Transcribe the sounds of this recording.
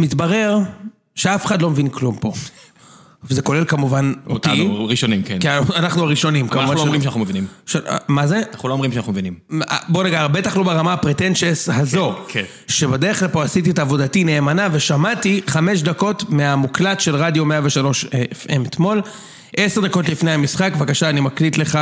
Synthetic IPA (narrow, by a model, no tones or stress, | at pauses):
mit̪baʁe̞ʁ | ʃe̞afe̥χad̪lo̞mevinklumpo̞ | vezeko̞le̞lkamuvanot̪iʁiʃonimkenkanaχnuaʁiʃo̞nimkamvalomʁimʃanaχnumevinimʃamazenaχnuloːmʁimʃeanaumevinima̰bo̞naɡaʁbetaχlubeʁamapʁetenʃeshazo̞k | ʃebede̞ʁeχlalpo̞asit̬itaːvo̞datine̞ːmanave̞ʃamatiχame̞ʃ̬dako̞tmeamuklatʃe̞lʁadjo̞meave̞ʃalo̞ʃeefe̞met̪mo̞l | ʔe̞seʁd̪ako̞tlifnehamisχakvakaʃaːnimaklitle̞χa